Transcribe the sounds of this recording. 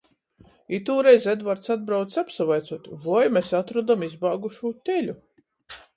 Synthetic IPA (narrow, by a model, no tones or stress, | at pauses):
it̪uːɾɛjzed̪vaɾt̪sad̪̚bɾawt̪apsavajt̪sɔt̪ʲvɔjmʲesat̪ɾɔd̪amizbaːɡuʃuːt̪ʲelʲu